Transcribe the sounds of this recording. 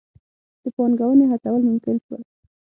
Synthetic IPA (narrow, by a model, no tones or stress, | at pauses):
d̪̥əpɑnɡawəneɦat͡sawəlmʊmkɪlʃwə̰l